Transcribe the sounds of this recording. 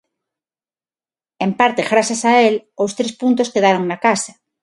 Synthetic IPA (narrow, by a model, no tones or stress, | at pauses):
ẽmpaɾt̪eɣɾasasaelowst̪ɾespunt̪̬oskeðaɾoŋnakasɐ̥